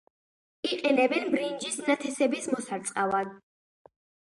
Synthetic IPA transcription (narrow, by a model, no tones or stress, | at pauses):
iqʼɛnɛbɛnbɾind͡ʒisnat̪ʰɛsɛbismɔsaɾt̪sʼqʼavad̪